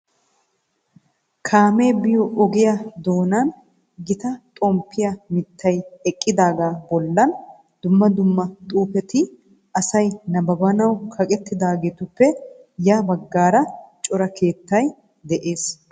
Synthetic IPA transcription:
kʰaːme̞ːbɪjɔʔɔɡɪjɐd̪o̞ːnan | ɡɪt̪ɐt̪ʼɔmpːɪjɐmɪt̪ːɐjɛkʼːɪd̪aːɡaːbɔlːɐn | d̪̥ʊmːɐd̪ʊmːɐt̪ʼuːpɛt̪ɪ | ʔɐsɐjnɐbɐbɐnɐwkʰɐkʼɛt̪ːɪd̪aːɡeːt̪ʊpːɛ | jaːbɐɡːaːɾɐt͡ʃʼɔɾɐkʰe̞ːt̪ːɐj | d̪ɛʔe̞ːs

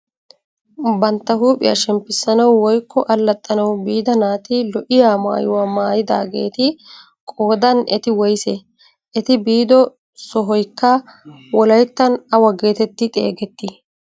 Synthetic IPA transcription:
bɐnt̪ːɐɦuːpʼɪjɐ̰ʃɛmpːɪsːɐnɐwːɔjkːɔʔɐlːɐt̪ʼːɐnɐwbiːd̪ɐnaːt̪ɪlɔʔɪjaːma̰ːjʊwaːmaːjɪd̪a̰ːɡḛːt̪ɪ | kʼoːd̪ɐnʔɛt̪ɪwɔjsɛ | ʔɛt̪ɪbiːd̪ɔ | sɔɦɔjkːɐwɔlɐjt̪ːɐnɐwɐɡe̞ːt̪ɛt̪ːɪt̪ʼe̞̰ːɡɛt̪ːɪ

